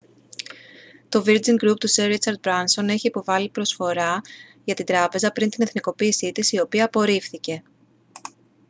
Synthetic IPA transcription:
t̪o̞viɾd͡ziŋɡɾup̚t̪useɾit͡sɐɾd̪̚bɾɐnso̞ne̞çiːpo̞vɐlipɾo̞sfo̞ɾɐʝɐt̪ind̪ɾɐpe̞zɐpɾint̪ine̞θniko̞piːsit̪isio̞piɐːpo̞ɾifθice̞

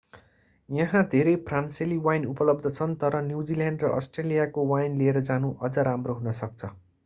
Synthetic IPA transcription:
jʌɦãd̪ʱeɾejpʰranseliwajnupʌlʌb̚d̪ʱʌt͡sʰʌnt̪ʌɾʌnjuwd͡ziljaɳɖrʌʔʌsʈrelijakowajnlieɾʌd͡zanuʔʌd͡zʌɾamroɦunʌsʌk̚t͡sʰʌ

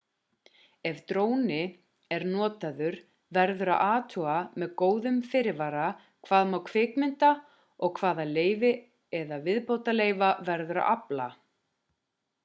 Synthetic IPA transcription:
ɛvt̪ɾoːwnɪ | ɛɾnɔːt̪aðʏɾ | vɛɾðʏɾa̰ʔaːt̪ʰuamɛðkoːwðʏmfɪɾɪvaːɾa | kʰv̥aːðmaːwkʰvɪːkmɪnt̪a | ɔɣkʰv̥aːðaleːjvɪ | ɛðavɪðpoːwt̪aleːjvavɛɾðʏɾa̰ʔapla̰

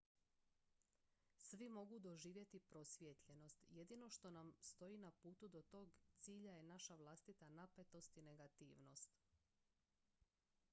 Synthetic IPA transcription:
sʋimo̞ɡud̪o̞ʒiːʋje̞t̪ipɾo̞sʋʲjet̪ʎe̞no̞st̪je̞d̪iːno̞ʃt̪o̞namst̪o̞iːnapuːt̪ud̪o̞t̪o̞ːɡt̪siːʎajenaʃaʋlˠast̪it̪anape̞t̪o̞st̪ine̞ɡat̪ḭːʋno̞st̪

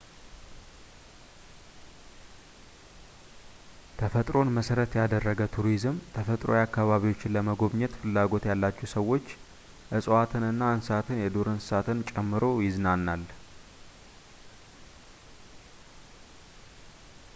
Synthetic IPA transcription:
t̪ʰəfət̪ʼɾo̞nməsəɾət̪jad̪ərːəɡət̪ʰuɾizɨmt̪ʰəfət̪ʼɾo̞̰jakːaβaβiwo̞t͡ʃːɪnləməɡo̞βɲɛt̪fɨlːaɡo̞t̪jalːat͡ʃːɛsəwːo̞t͡ʃː | ʔɨsʼwat̪ʰɨnɨnːaɨnsat̪ʰɨnjɛd̪oɾɨnsɨsat̪ʰɨnt͡ʃʼɛmːɨɾo̞jɪznanːal

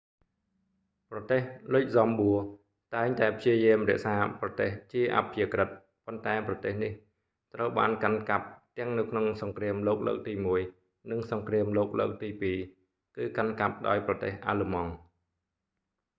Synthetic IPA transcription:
prɑt̪eːhlʊc̚zɑmɓuə | t̪aɛŋt̪aɛpʰjiəjɨəmrɛ̆əʔsaːprɑt̪eːht͡ɕiəʔa̰pʰiəkrɨt̪̚ | pont̪aɛprɑt̪eːhnih | t̪rəwɓa̰ːnkankap̚t̪ɛ̆əŋnɨwkʰnoŋsɑŋkriəmloːk̚lə̰ːk̚t̪iːmuəj | nɨŋsɑŋkriəmloːk̚ləːk̚t̪iːpiː | kɨːkankap̚ɗa̰ɔjprɑt̪eːhʔa̰ːləmɑŋ

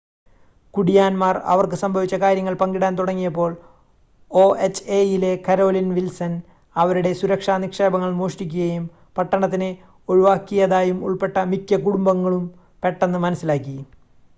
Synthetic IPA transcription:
kuɽijaːnmaːrɐ̰ʋɐrkɨsɐmbʱɐʋit͡ɕːɐkaːɾjɐŋːɐɭpɐŋɡiɽaːnt̪uɽɐŋːijɐp̬ːo̞ːɭ | oːet͡ɕːejile̞kɐɾo̞ːlinʋilsɐn | ɐʋɐɾuɽe̞suɾɐkʂaːnikʂe̞ːbɐŋːɐɭmoːʂtik̬ʲːuɣɐjum | pɐʈːɐɳɐt̪ːine | oɻuʋaːkːijɐðaːjumuɭpe̞ʈːɐmikʲːɐkuɽumbɐŋːɐɭum | pe̞ʈːenːɨmɐnɐsːilaːkːi

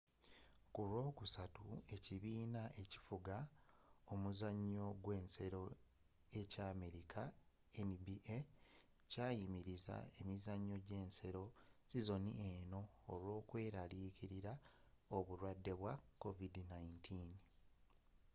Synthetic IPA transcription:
kulwo̞ːkusatue̞ciβiːnaʔe̞ci̥fuɡaomuzaɲːo̞ɡwe̞ːnse̞ɾo̞ | e̞caːme̞ɾikʰa | enibiʔe | caːjimiɾiza̰e̞mizaɲːoɟe̞ːnse̞ɾo̞sizo̞nḭeːno̞ː | lwo̞ːkwe̞ːɾaliːkiɾiɾaoβuɾwadːe̞βwako̞vidnaintʰin

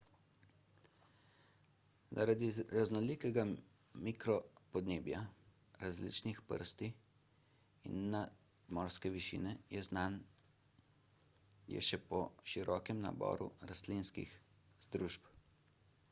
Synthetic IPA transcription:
za̰ɾad̪iɾaznɔliːkɛɡa | mikɾɔpɔd̪neːbja | ɾazlḭːt͡ʃnixpə̰ɾst̪i | inːa | mɔːɾskɛʋiʃḭːnɛjɛznan | jɛ̰ʃɛpɔʃiɾʔɔːkɛmna̰bɔ̰ːɾṵɾast̪linskḭx | z̥d̪ɾuːʃp

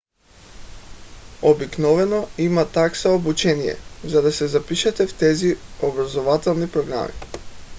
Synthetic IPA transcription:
obiknɔvɛnɔimat̪aksaobut͡ʃɛnijɛ̰zad̪asɛzapiʃɛt̪ɛft̪ɛziobɾazovat̪ɛlˠnipɾɔɡɾa̰mḭ

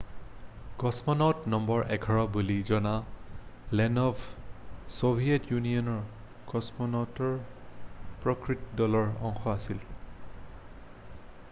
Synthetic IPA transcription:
ɡ̥ɔsmɔnɔtnɔmbɔɹʔɛɡʰʱɔɹɔbulizɔna | lɛnɔb | sobʱijɛtjuniɔnɔɹ | ɡ̥ɔsmɔnɔtɔɹ | pɹɔkɹitdɔlɔɹɔ̰ŋxɔasil

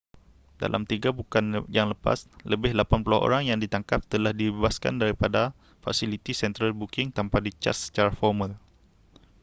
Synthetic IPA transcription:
da̰lʔa̰mt̪iɡabukanjaŋləpa̰sləbɪhlapanpulʊhʔo̰ɾaŋjaŋdit̪aŋkap̚t̪əlahdibbebaska̰ndaɾipada | fa̰silit̪isɛnt̪ɾəlbukɪŋt̪ampadit͡ʃa̰sːə̥t͡ʃaɾafɔrmal

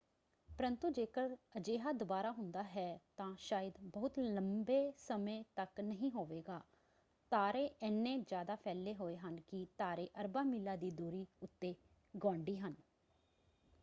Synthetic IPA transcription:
pəɾənt̪ũːd͡ʒeːkəɾəd͡ʒeːɦaːd̪ʊbaːɾaːɦʊnd̪aːɦɛːt̪ãːʃaːjəd̪bəɦʊt̪ləmbeːsəmẽːt̪əknəɦĩːɦoːʋeːɡaː | t̪aːɾeːʔɛnːẽːd͡ʒjaːd̪aːpʰɛːleːɦoːeːɦənkɪt̪aːɾeːʔəɾbaːmiːlaːd̪iːd̪uːɾiːʊt̪ːeː | ɡõːɳɖiːɦən

